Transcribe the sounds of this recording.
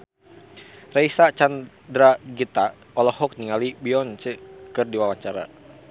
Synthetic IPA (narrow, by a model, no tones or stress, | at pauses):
raisat͡ʃan | dɾaɡit̪a | ɔlɔhɔk̚niŋalibiɔnt͡ʃəkɨrdiwawaɲt͡ʃaɾa̰